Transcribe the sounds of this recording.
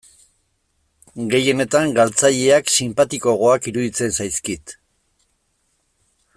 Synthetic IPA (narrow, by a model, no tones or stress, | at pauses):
ɡe̞je̞ne̞t̪aŋɡalt͡saʎe̞aksimpat̪iko̞ɣo̞akiɾuðit͡se̞nsajskit̪